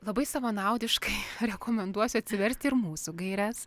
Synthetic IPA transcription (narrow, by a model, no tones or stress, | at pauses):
lˠɐbɐɪsɐʋɐnɐˑʊd̪ʲɪʃkɐɪɾʲɛkʰoːmʲɛnd̪uɔsʲʊɐt̪ʲsʲɪʋʲɛɾʲsʲt̪ʲɪɾmuːsuɡɐɪɾʲæs